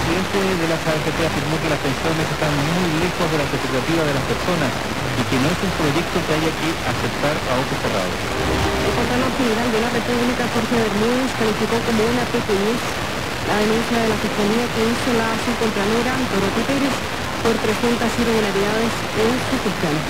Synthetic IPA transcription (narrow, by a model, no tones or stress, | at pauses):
d̪jent̪oðe̞lasaefet̪eafiɾmo̞ke̞lasp̪e̞nsjo̞ne̞se̞st̪anmujle̞xozðe̞lasepek̚t̪at̪iβaðe̞laspe̞ɾso̞nas | ike̞no̞e̞sumpɾo̞ʝe̞k̚t̪okeaʝakeʔase̞p̚t̪aɾaot̪osera̰ðo̰s | elkont̪aloxeneɾald̪eunarepuβlikafoɾθaðeɾmuðoskalifiko̞ko̞mo̞unapekines | lʔaðe̞nũnθjaðe̞lafiskaliake̞iso̞laasukont̪ɾaneɾat̪oɾot̪it̪ejɾes | po̞ɾpɾesunt̪asireɣulaɾiðaðe̞s | enstit̪uθjon